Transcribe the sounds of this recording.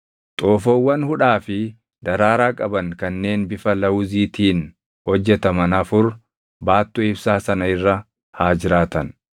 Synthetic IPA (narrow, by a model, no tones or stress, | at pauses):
t̪ʼoːfoːwːɐnhʊᶑaːfɪ | d̪̥ɐɾaːɾaːkʼɐbɐnkɐnːe̞ːnbɪfɐlɐwʊziːt̪iːn | hɔd͡ʒːɛt̪ɐmɐnɐfʊɾ | baːt̪ːʊɪbsaːsɐnɐɪrːɐ | haːd͡ʒɪɾaːt̪ɐn